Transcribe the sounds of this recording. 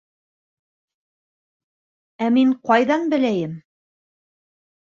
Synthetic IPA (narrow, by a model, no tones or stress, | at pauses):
æmiɴqɑjðɑnbɘ̆læjɘm